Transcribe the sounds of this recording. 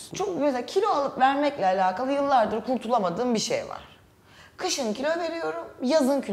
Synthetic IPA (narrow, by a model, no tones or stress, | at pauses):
t͡ʃʰomɛsacʰilʲo̞alˠɯpvæɾmɛclʲɛalʲaːkʰalˠɯjɯlˠːaɾd̪ɯɾkʰuɾt̪ʰulˠamad̪ɯːmbiʃḛjva̰ɾ̥ | kʰɯʃɯncʰilʲove̞ɾijo̞ɾumjazɯncʰi